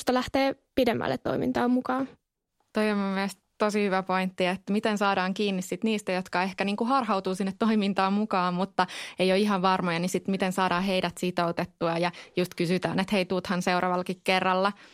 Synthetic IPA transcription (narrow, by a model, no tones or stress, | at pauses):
st̪ɑlæht̪eː | pidemːæ̰lːḛt̪to̰imḭnt̪ɑːmmukɑːn | t̪oiommumːiæst | t̪osihyʋæpoint̪ːiet̪ːmit̪ensɑːdɑːŋkiːnːissit̪niːst̪æjot̪kɑehkæniːŋkuhɑrhɑwt̪uːsinːet̪ːoimint̪ɑːmmukɑːmmut̪ːɑejoiɦɑʋʋɑrmojɑnisit̪mit̪ensɑːɾɑːɦeidæt̪sit̪out̪et̪ːuɑjɑjust̪kysyt̪æ̰ːnet̪heit̪uːt̪hɑnseuɾʔɑ̰ːʋɑlːɑkikkerːɑlːɑ